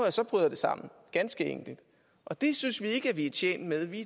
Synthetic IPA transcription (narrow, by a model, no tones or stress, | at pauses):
jæsɒ̽b̥ʁyðˠɐd̥e̝sɑ̈m̰n̩ɡ̥ænsɡ̥əḛŋ̰ɡ̥lid̥ | ʔɒ̽d̥e̝synsʋie̝ɡ̥əæʋiæt͡ɕʰjḛːn̰d̥með̞ˠʋi